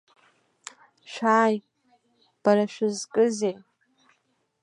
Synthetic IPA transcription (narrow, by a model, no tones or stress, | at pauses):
ʃᶣaːj | b̥aɾaʃʷᶣɪzkʼɨzej